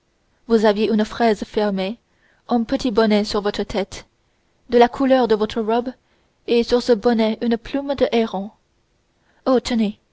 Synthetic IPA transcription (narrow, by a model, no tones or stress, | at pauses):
vuzavjeʔynfχɛzfɛʁme | ɛ̃pət̪ʰibɔnɛsyʁvɔt̪χət̪ʰɛt̪ | d̪əlakʰulœʁd̪əvɔt̪χəʁɔb | esyʁsəbɔnɛʔynplumd̪əʔɛʁɑ̃ | ot̪ʰəne